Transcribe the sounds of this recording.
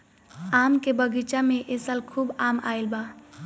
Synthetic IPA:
amkebəɡit͡ʃameʔesəlkʰubama̰elba

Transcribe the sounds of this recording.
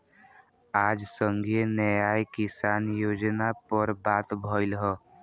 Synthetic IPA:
aːd͡ʒsə̃ŋɡʱienəjaːjkɪsaːnjoːd͡ʒnapəɾbaːt̪bʱəɪlɦɛ

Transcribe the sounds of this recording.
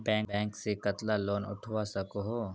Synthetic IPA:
bɛ̃ːŋk̚bɛ̃ːŋksekɐt̪laloːnʊ̰ʈʰwasɐkoɦoː

